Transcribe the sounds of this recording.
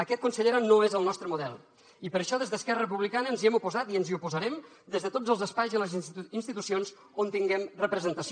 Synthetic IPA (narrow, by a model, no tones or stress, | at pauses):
əkɛt̪kunsəʎeɾənoezəlˠnɔst̪ɾəmuðɛlˠ | ipəɾəʃɔðezðəskɛrərəpuβlikanəːnziɛmupuzat̪iənziupuzəɾɛm | d̪ezðət̪od͡zəlˠzəspajziələzinst̪it̪usionz | ont̪iŋɡɛmrəpɾəzənt̪əs